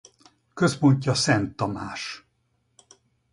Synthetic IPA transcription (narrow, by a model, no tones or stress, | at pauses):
køspo̞ɲcːɒsɛnt̪ːɒmaːʃ